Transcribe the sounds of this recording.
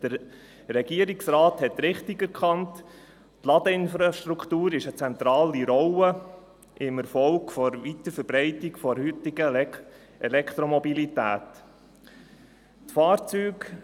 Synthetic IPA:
d̥əɾ | ɾɛɡ̥iəɾiksɾɑːthɛt̪ɾɪχtɪɡæɾkʰχɑnt | tlɑd̪əɪnfɾɑʃt̪ɾuktuːɾɪʃət͡sɛnt̪ɾɑːliɾɔwə | ʔɪməɾfɔlkfɔɾʋit̪əɾfəɾbɾɛɪtɪɡfɔɾhʏtɪɡ̥ə | ʔɛlɛkʰt̪ɾɔmɔbilit̪æ̰ːt | tfɑːɾt͡syːk

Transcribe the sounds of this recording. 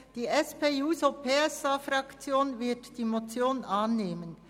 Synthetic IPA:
d̥iːʔɛspeːjuːzopʰeːɛsɑfɾɑkt͡sjoːnvɪɐtd̥iːmot͡sjoːnʔɑːnːeːmən

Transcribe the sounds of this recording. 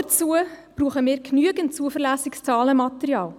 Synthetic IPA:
ət͡suəb̥ruːχəmiːɾknyəɡəntt͡suəfəʁlæːsɪkst͡sɑːləmɑt̪əɾjɑːl

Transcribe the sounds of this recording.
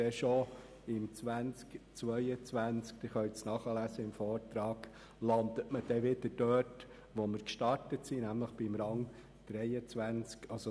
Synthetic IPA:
ɛʃo | ɪmt͡sʋænt͡skt͡sʋœʏət͡sʋænt͡skt̪ɛχœɥt͡snɑχəlæsəɪmfɔːɾtɾɑːɡ̥ | lɑnd̪ətməd̥ɛʋɪd̪əd̥œːt | ʋomɪɾkʃtɑɾtətsinæmləχb̥ɪmɾɑŋ | d̪̥ɾɛɪət͡sʋænt͡skɑlsɔ

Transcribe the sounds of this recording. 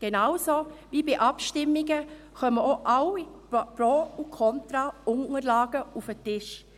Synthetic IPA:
ɡ̥enawsovibiʔɑpʃtɪmːiɡə | xœməoʔawi | pɾoukʰɔntɾɑʊŋəɾlɑːɡ̥əufətɪʃ

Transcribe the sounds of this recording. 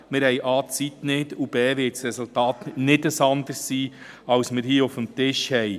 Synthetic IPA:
mɪɾhɛɪʔɑːt͡sitnɪdub̥eːvʋɪtsɾɛsultɑːtnɪdəsɑnd̪əɾsːiː | ɑwsmɪɾhiːʊfəmt̪ɪʃhɛɪ

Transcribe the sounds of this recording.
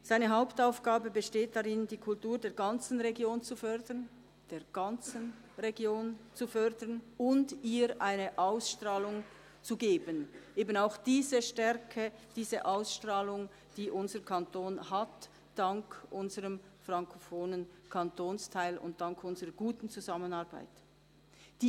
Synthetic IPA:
z̥aɪnəɦaʊptaʊfɡ̥aːbəbəʃteːt̚d̥aʁɪndiːkʰʊltuːʁdeːɐɡɑnt͡sn̩ʁeɡjoːnt͡sufœʁdən | d̥eːɐɡ̥ɑnt͡sən | ʁeɡjoːnt͡sufœʁdənʊndiːɾʔaɪnəʔaʊsʃtʁaːlʊŋ | t͡suɡeːbənʔeːbənaʊxd̥iːzəʃtɛɾkʰəd̥iːzəʔaʊsʃtʁaːlʊŋ | d̥iːʔʊnzəɾkʰantʰoːnhat | d̥ɑŋkʔʊnzəʁəmfʁɑŋkʰofoːnənkʰɑntʰoːnstʰaɪlʊ̰nt̚d̥ɑŋkʰʊnzəʁəɡuːtn̩t͡suzɑmənɑʁba̰ɪt | d̥iː

